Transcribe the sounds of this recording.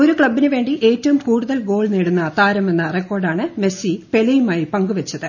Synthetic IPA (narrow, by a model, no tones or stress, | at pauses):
o̞ɾukɭɐbːinɨʋe̞ːɳɖiʔe̞ːtːɐʋumkuːɽuðɐlɡo̞ːɭneːɽunːɐt̪aːɾɐme̞nːɐrekːo̞ːrɖaːɳɨme̞sipe̞lɐjumaːjipɐŋɡuʋɐt͡ɕːɐðɨ